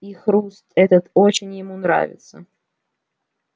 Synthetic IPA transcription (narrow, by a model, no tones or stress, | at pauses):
ixɾust̪ɛt̪ət̪o̞t͡ɕɪnʲjɪmunɾa̰vʲɪ̰t̪sə̰